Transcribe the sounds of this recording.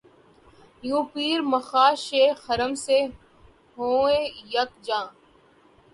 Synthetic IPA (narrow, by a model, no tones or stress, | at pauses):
jũːpiːɾməxaːʃeːxəɾəmse | ɦoːẽjɐkd͡ʒãː